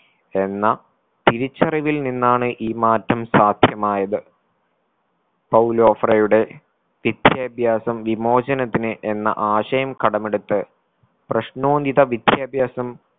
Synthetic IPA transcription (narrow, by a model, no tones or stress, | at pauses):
e̞nːɐ | t̪iɾit͡ɕːɐriʋilninːaːɳɨʔiːmaːtːɐmsaːd̪ʱjɐmaːjɐðɨ | pɐwlo̞ːfrɐjuɽe̞ | ʋid̪̥ʱjɐːbʱjaːsɐmʋimo̞ːd͡ʑɐnɐt̪ːinɨʔe̞nːɐ̰ʔaːɕɐjɐmkɐɽɐmeɽut̪ːɨ | prɐɕno̞ːniðɐʋid̪jɐbʱjaːsɐm